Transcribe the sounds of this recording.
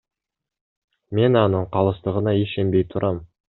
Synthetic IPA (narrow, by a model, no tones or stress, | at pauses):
me̞nɑnəɴqʰɑlˠəst̪əʁənɑjeʃembejt̪ʰʊɾʔɑm